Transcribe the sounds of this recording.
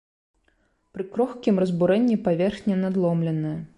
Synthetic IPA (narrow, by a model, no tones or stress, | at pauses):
pɾɨkɾɔxkʲimrɐzbuɾɛnʲːipavʲɛrxnʲɐnad̪lˠɔmlʲɛnɨjɐ